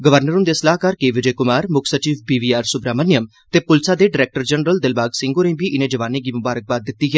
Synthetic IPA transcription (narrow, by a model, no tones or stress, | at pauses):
ɡəʋəɾnəɾʊ̃nd̪eːsəlaːɦkaɾkeːʋɪd͡ʒeːkʊmaːɾmʊkʰsət͡ʃiːʋbiːʋiːaːɾsʊbɾaːmənɪjəm | t̪eːpʊlsaːd̪eːɖɪɾɛːk̚ʈəɾd͡ʒənɾəld̪ɪlbaːɡsɪ̃ŋɡoːɾẽiːbiːʔɪnẽːd͡ʒəʋaːneːɡiːmʊbaːɾək̚baːd̪ːɪt̪ːiːɦɛː